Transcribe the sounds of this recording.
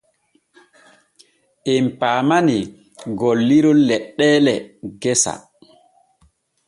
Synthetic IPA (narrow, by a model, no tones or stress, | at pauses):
ʔɛmpaːmani | ɡolːiɾɔlɛɗːɛːlɛɡɛsa̰